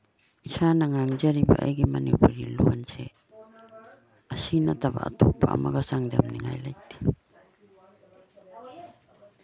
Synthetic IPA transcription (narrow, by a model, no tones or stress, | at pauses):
isanaŋaŋd͡ʒaɾibaʔajɡimanipuɾiluanse | asinataba̰atupaamaɡasaŋdamniŋajlajti̥